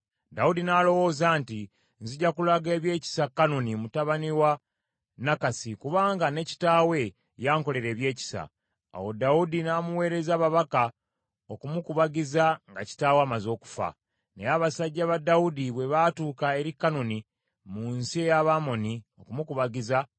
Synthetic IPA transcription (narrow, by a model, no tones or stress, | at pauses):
daudinalo̞wo̞ːzaːnti | nziɟakulaɡe̞ːβje̞ːci̥sakːano̞nimutaβaniwa | nakasikuβaːŋɡane̞ci̥taːwe̞ | jaːŋko̞le̞ɾe̞ːβje̞ːci̥sa̰ː | wo̞daudinamuwe̞ːɾe̞zaːβaβaka | okumukuβaɡizaŋɡaci̥taːwaːmazo̞ːku̥fa̰ | ne̞jaβasaɟːaβadaudiβwe̞βatuːkae̞ɾikːano̞ni | munsiejaβamo̞nio̞kumukuβaɡiza